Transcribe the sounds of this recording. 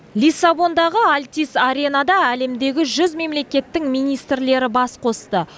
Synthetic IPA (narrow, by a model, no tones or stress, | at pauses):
lʲijsːabo̞nd̪ɑʁəalʲt̪ʲisaɾʲe̞nɑd̪ɑæle̞md̪e̞ɡʲɪʒʏzme̞mle̞kʲe̞t̪ːɪŋmijnijst̪ɾle̞ɾɪbɑsqʰo̞st̪ə